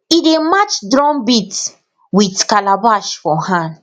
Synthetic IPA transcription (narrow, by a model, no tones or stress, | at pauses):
idemat͡ʃdɾɔ̃nbit | witkalabaʃfɔ̃hãnd